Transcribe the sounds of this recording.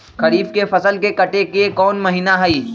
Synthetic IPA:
xɐɾiːbkefɐsəlkekɐʈekekɔːnmɐɦiːnaɦɐiː

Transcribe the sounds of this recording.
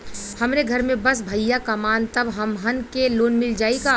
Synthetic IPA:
hɐmɾeɡʱɐɾmẽbəsbʱəjːakəmaːnt̪əbɦəmɦənkeloːnmɪld͡ʒaːika

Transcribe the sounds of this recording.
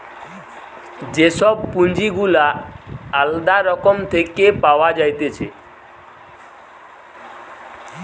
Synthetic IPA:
d͡ʒesɔb̚pund͡ʒiɡulaː | ld̪aɾɔkɔmt̪ʰekepawad͡ʒajt̪et͡ʃʰe

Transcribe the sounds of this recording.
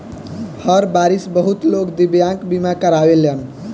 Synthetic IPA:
həɾbaɾisbəɦut̪lokd̪ibjãŋkbimakəɾabelən

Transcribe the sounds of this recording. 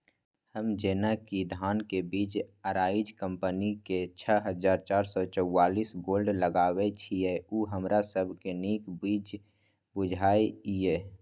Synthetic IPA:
həmd͡ʒeːnakid̪ʱaːnkebiːd͡ʒəɾaːɪd͡ʒkə̃mpəniket͡ʃʰəɦəzaːɾt͡ʃaːɾsɔt͡ʃəwːaːliːsɡoːlɖləɡaːwet͡ʃʰiɛuːɦəmɾasəbʱkeneːkbiːd͡ʒ | bʊd͡ʒʱaːiieː

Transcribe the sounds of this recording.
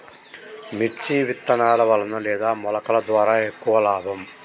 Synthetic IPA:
mit͡ʃiʋit̪ːɐnaːlɐʋɐɭɐnɐlɛːd̪aːmɔlɐkɐɭɐd̪ʋaːɾaːekːuʋɐlaːbʱɐm

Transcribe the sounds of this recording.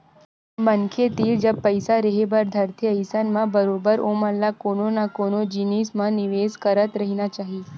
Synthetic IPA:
mənkʰet̪ild͡ʒəbpəjsaɾəɦebəɾd̪ʱəɾt̪ʰiəjsanmãbəɾobəɾoməlːakononakonod͡ʒinismãniʋeskəɾət̪ɾəɦinat͡ʃaɦi

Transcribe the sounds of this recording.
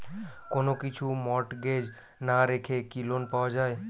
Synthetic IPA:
konokit͡ɕʰumɔʈɡed͡ʑ | naɾekʰekilonpaoad͡ʑae

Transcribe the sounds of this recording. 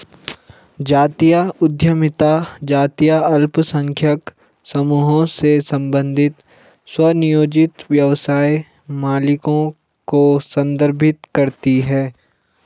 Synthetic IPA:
d͡ʒaːt̪ijaʊd̪ʱjəmɪt̪ad͡ʒaːt̪ijaɐlpsə̃ŋkʰjək | sɐmuːɦõsesɐ̃mbə̃nd̪ʱɪt̪ | swɐnɪjoːd͡ʒɪt̪ʋjɐʋsaːe | maːlɪkõ | kosɐ̃nd̪əɾbʱɪt̪kɐɾt̪iɦɛː

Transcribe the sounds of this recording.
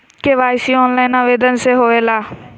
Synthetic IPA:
keːʋaːjsiːɔːnlaːinaːʋeːd̪ənseːɦoːeːlaː

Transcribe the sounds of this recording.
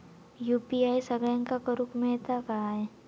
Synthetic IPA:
juːpiaːisɐɡəjə̃ŋkakəɾukmẽt̪akaae

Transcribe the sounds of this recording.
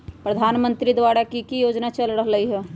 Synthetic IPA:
pɾəd̪ʱaːnmə̃nt̪ɾid̪ʋaːɽakikijoːd͡ʒnat͡ʃəlɾəɦləɦiɦɛː

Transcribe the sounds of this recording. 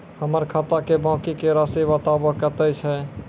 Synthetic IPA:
həməɾkʰat̪akebãːkikeɾasibət̪abəɦkət̪ɛt͡ʃʰɛ

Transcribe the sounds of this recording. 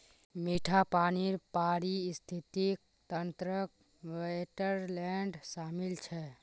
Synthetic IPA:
miʈʰapaːniɾpaːɾist̪ʰit̪ik | t̪ənt̪ɾək | ʋeʈəɾlɛɳɖsaːmilt͡ʃʰɛ

